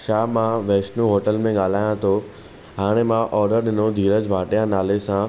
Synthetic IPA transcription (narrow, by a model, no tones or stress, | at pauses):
ʃaːmãʋeːsʈnũɦoːʈəlmẽɠaːl̤aːjãt̪ʰo | ɦaːɽ̃emãʔɔːɾɖəɾɗɪnod̪ʱiːɾəd͡ʑbʱaːʈijãnaːlesã